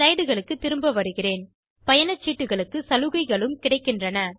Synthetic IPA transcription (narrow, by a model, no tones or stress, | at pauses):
ɐɪɽɯɣɐɭɯkːɯt̪ːɪɾɯmbɐʋɐɾɯɣɪreːn | pɐjɐnɐt͡ʃːiːʈːɯɣɐɭɯkːɯsɐlɯɣɐɪɣɐɭɯmkɪɽɐɪkːɪndrɐnɐ